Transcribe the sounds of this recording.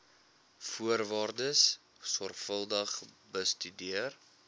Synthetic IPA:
fuərvɑːrdəs | sɔrχfəlˠdəχ | bəstydiər

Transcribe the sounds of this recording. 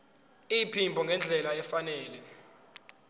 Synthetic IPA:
ipʰimbʱɔŋɡʱɛnd͡ɮʱɛlaɛfanɛːlɛ

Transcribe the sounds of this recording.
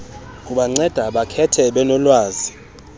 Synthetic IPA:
uɓaŋ͡ǀɛd̥ʱaɓakʰɛtʰɛɓɛnɔlwaːzi

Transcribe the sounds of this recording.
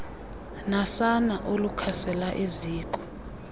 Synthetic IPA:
nasanaʔolukʰasɛlaʔeziːkʼɔ̥

